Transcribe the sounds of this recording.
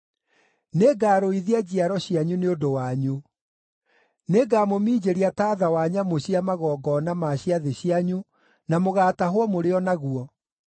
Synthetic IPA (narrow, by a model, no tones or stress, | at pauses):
neɡaːɾoiðiad͡ʑiaɾɔɕiaɲuneodowaɲu | neɡaːmomiːd͡ʑeɾiataːðawaɲamoɕiamaɣɔːɡɔːnamaɕiaðeɕiaɲu | namoɣaːtaɦowɔmoɾeɔnaɣuɔ